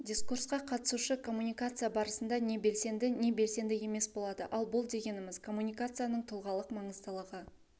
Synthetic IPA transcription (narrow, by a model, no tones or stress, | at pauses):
dʲiskursqɑqʰɑt̪ə̥suʃəkʰo̞mːunʲijkat̪sɨjabɑɾəsənd̪ɑne̞be̞lse̞nd̪ɪne̞be̞lse̞nd̪ɪje̞me̞sbo̞lˠɑd̪əʔɑlˠbʊlˠd̪e̞ɡʲe̞nɪmɪzkʰo̞mːunʲijkat̪sɨjanəɴt̪ʰʊlˠʁɑlˠəqmɑɴəzd̪əlˠəʁə